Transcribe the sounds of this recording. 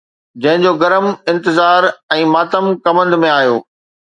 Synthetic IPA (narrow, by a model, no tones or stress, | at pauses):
d͡ʑɐ̃ɦɪ̃ɲd͡ʑoːɡɐɾəmɪ̃nt̪ɪzaːɾɛ̃ːmaːt̪əmkɐmə̃nd̪mẽaːjo̰ː